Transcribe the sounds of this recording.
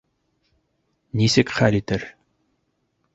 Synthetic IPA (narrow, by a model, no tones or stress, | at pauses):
nisɘkχælʲit̪ɘɾ